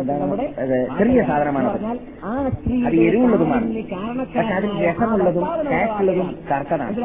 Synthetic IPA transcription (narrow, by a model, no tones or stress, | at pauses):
ɐðɯt̪ɪrɪjɐsaːd̪ʱɐnɐmaːnɐðɯ | ɐðɯɛɾɯʋɯɭːɐðɯmaːnɐpɐʈkːɐɐðɯkːɨɾɛsɐmuɭːɐðɯmkaːsɯɭːɐðɯmkɐrkːɐða̰ːn